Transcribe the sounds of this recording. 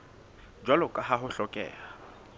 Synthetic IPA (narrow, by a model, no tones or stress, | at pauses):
d͡ʒwalʊkʼaɦaɦʊɬɔkʼɛ̰ːla